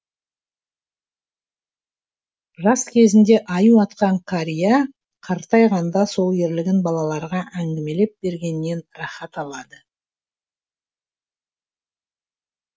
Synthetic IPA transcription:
rɑskʲʰe̞zɪnd̪e̞ʔɑjuwɑt̪qɑɴkʰaɾija | qʰɑɾt̪ɑjʁɑnd̪ɑso̞lˠje̞ɾlɪɡʲɪnbɑlˠɑlˠɑɾʁɑʔæŋɡʲɪme̞le̞p̚be̞ɾɡʲe̞nɪːe̞nɾɑχɑt̪ɑlˠɑd̪ə

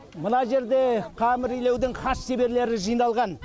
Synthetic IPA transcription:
mənɑʒe̞ɾd̪e̞qʰɑmɪɾijle̞wd̪ɪŋχɑsʃebe̞ɾle̞ɾɪʒɨjənɑlˠʁɑn

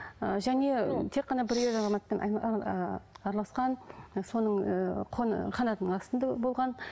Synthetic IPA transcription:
əʒæne̞t̪ʰe̞qːɑnɑbɪɾezɑzɑmɑt̪ːɑnɑ̰ | ɑɾɑlˠɑsqɑnso̞nəɴqʰonχɑnɑt̪ənəɴɑst̪ənd̪ɑbo̞lˠʁɑn

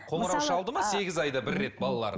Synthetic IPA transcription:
qʰo̞məɾɑwʃɑlˠd̪əmɑse̞ɡʲɪzɑjd̪ɑbɪɾːe̞t̪̚bɑlˠɑlˠɑ̰ɾ

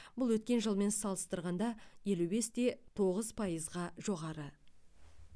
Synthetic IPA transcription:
b̥ʊlˠwɵt̪̚kʲe̞nʒəlˠme̞nsɑlˠəst̪əɾʁɑnd̪ɑje̞lube̞st̪e̞t̪ʰo̞ʁəzpʰɑjəzʁɑʒo̞ʁɑɾə

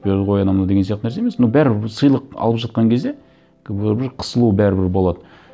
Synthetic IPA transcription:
peɾd̪ʁojɑnɑmnɑd̪e̞ɡesijɑq̚t̪ənæɾseemesnobæɾɪsəjlˠəqɑ̰lˠəpʒɑt̪̚qɑŋkʲʰe̞zd̪e̞ | kʲʰbbɪɾqʰə̥səlˠubæɾɪbɪɾbo̞lˠɑd̪ə

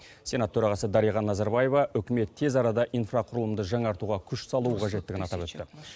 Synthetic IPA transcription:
sʲe̞nɑt̪ʰɵɾɑʁɑsəd̪ɑɾijʁɑnːɑzɑɾbɑje̞vɑʔɵkʲɪme̞t̪ʰːe̞zɑɾɑd̪ɑʔijnfrɑqʰʊɾəlˠəmd̪əʒɑŋɑɾt̪uʁɑkʲʰʏʃsɑlˠuəqʰɑʒe̞t̪ːɪɡʲɪnɑt̪ɑpwɵt̪ːɪ

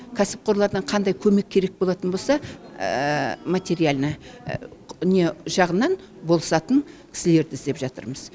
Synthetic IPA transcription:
kʲʰæsɪ̥p̚qʰo̞ɾlˠɑɾd̪ɑɴqʰɑnd̪ɑjkʲʰɵme̞kʲʰːe̞ɾe̞k̚bo̞lˠɑt̪ənbo̞lˠsɑ̰ | mat̪ʲe̞ɾijalʲnə | ne̞ʒɑʁənːɑn | bo̞lˠsɑt̪əŋkʲʰɪ̥sɪle̞ɾd̪ɪzd̪e̞pʒɑt̪ə̰ɾməz

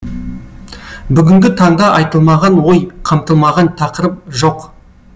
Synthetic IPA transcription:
bʏɡʲɪŋɡʲɪt̪ʰɑɴd̪ɑʔɑjt̪əlˠmɑʁɑnwojqʰɑmt̪əlˠmɑʁɑnt̪ʰɑqəɾəp̚ʒo̞q

